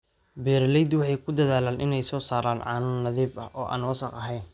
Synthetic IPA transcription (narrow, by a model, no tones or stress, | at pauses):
bɛːɾlɛjd̪wɑħɑjkʰʊd̪ɐðaːlaːnʔɪnɛjsɔːsaːɾaːnʕɑ̰ːnɐnɐðiːbɐ̰hʔɔːʔa̰ːnwɑsɑqɐɦɛjn